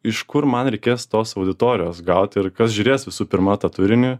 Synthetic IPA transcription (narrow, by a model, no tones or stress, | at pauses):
ɪʃkʊɾmɐnɾʲɛɪkʲeːst̪oːsɐʊd̪ʲɪt̪oːɾʲɪjoːsɡɐʊt̪ʲɪɾkɐsʒʲʊːɾʲeːsʋʲɪsuːpʲɪɾmɐt̪ɐt̪ʊɾʲɪnʲʊ